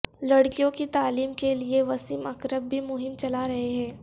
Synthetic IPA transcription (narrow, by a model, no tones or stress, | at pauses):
lɐɽkijõkit̪aːliːmkelieʋɐsimɐkɾəbːʱimʊɦɪmt͡ʃɐlaɾɐɦeɦɛ̃ː